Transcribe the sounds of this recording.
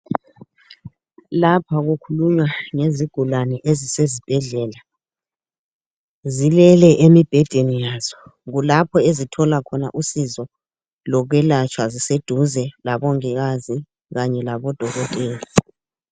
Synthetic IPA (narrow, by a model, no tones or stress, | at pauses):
lapʰaɣukʰuluɲwaŋeziɡ̥ʱulanɛʔezisezib̥ʱɛɮɛːla | zilɛlɛʔemib̥ʱɛd̥ʱenijaːz̥ɔ̥ɣulapʰɔezitʰɔlakʰɔna̰ʔusizɔ | lɔɣwɛlat͡ʃʰʼwazised̥ʱuzɛlaβɔŋiɣazi | ɣaɲɛlaβɔd̥ʱɔɣɔtʼeːli